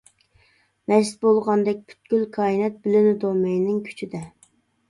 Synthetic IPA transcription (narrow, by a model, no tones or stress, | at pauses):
mɛzɪt̪̚bolˠʁɑnd̪ɛk̚ʲpʰy̥t̪̚ɡʲylkʰɑːinɛt̪̚bɪlɪnɪd̪omɛjnɪŋkʲʰy̥t͡ʃʰid̪ɛ